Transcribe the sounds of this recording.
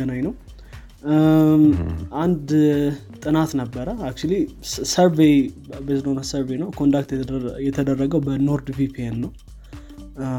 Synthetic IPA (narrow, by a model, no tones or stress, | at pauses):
ənajnəw | ʔand̪t̪ʼɨnat̪nəbːəɾəak̚t͡ʃulisəɾvejbəsɨləonəsəɾbejnəwkʰond̪ak̚t̪jɛt̪ʰəd̪ərːəɡəwbənoɾd̪vipʰienːəw